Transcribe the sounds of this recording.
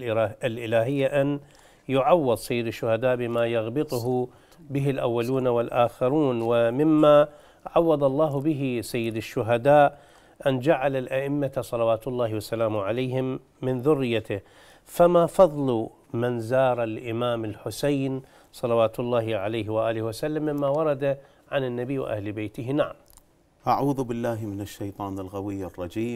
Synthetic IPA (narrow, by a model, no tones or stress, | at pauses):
ɪlʔɪlaːɦɪjːaʔan | jʊʕawːɪðˤsajːɪd̪aʃːʊhad̪aːʔbɪmaːjaɣbɨt̪ˤʊɦʊ | bɪɦɪlʔawːaluːnawɪlʔaːxɪɾuːnwɪmɪmːa | ʕawːɑd̪ˤɑlˤːɑːɦbɪɦɪsajːɪd̪aʃːʊɦad̪aːʔ | ʔand͡ʒaʕalalʔaʔɪmːasˤɑlɑwaːt̪ʊlˤːɑːhwasːalaːmʕalajhɪmː | ɪnðʊrːɪjːat̪ɪ | famafɑðˤlu | manzɑːɾˤalʔɪmaːmɪlħʊsajn | sˤɑlɑwaːt̪ʊlˤːɑːhɪʕalaːhwaʔaːlɪhwasalːamːɪmːawɑɾˤɑd̪a | ʕanɪnːabiːwʔa̰hlbejt̪ɪɦɪnaʕam | ʔaʕuːðbɪlːaːɦmɪnaʃːajt̪ˤɑːnalɣawɪjːɑrˤːɑd͡ʒiːm